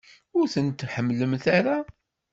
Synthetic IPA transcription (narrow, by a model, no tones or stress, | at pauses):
ʊɾθənt̪ħəmːləmθaɾa